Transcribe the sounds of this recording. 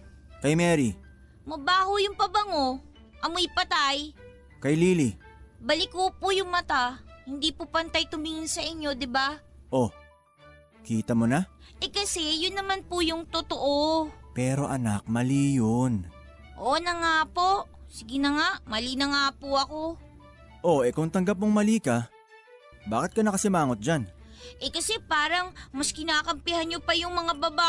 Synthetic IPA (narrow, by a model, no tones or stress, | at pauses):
kɐjmɛɾi | mɐbaːhʊjʊŋpɐbɐŋo̞ | ʔɐmoɪpɐt̪aj | kɐjliːlibɐlɪkopʊjʊŋmɐt̪ahɪnd̪iːpʊpɐnt̪ajt̪ʊmiŋɪnsɐʔɪɲːo̞d̪ɪbaʔo̞ | kiːt̪ɐmonaʔɛkɐsɛjʊnːɐmanpʊjʊŋt̪ot̪oʔopɛːɾo̞ʔɐnak̚mɐliːjon | ʔo̞nɐŋaːpo̞ʔsɪɡɪnɐŋaʔmɐlinɐŋaːpoʔɐko̞ | ʔo̞ʔɛkʊŋt̪ɐŋɡap̚moŋmɐliːkɐ | baːkɪt̪̚kɐnɐkɐsɪmaːŋot̪̚d͡ʒanʔɛkɐsɛpaːɾɐŋmɐskɪnaːkɐmpɪhɐnɲopɐjʊŋmɐŋabɐba